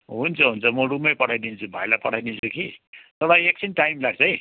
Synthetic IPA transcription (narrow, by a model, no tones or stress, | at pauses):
ɦunt͡sʰʌɦunt͡sʰʌmʌɽumʌjpʌʈʰajd̪int͡sʰubʱajlapʌʈʰajd̪int͡sʰukit̪ʌbajekt͡sʰinʈajmlaɡ̚t͡sʰʌi